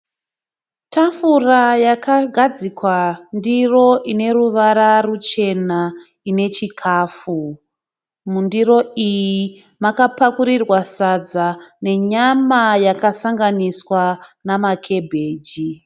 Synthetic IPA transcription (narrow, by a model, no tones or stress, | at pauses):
tʰafurajakaɡʱad͡zikwandiro̞ʔine̞ruʋaɾarut͡ʃe̞na | ine̞t͡ʃikʰaːfu | mundiro̞iji | makapakuɾirwasad͡zane̞ɲamajakasaŋɡaniswanamakʰe̞bʱe̞ːd͡ʒi